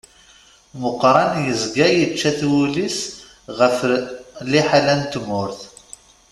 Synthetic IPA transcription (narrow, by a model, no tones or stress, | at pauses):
məqːɾˤɑnjəzɡæjət͡ʃːæθwulis | ʁəfliħalænt̪mʊɾθ